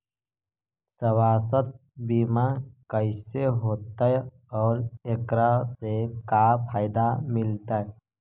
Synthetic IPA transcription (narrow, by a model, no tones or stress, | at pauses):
səwaːsət̪̚biːmãkəɪseɦoːt̪ae | ɔːɾekɾasekapʰaːɪd̪amɪlt̪ae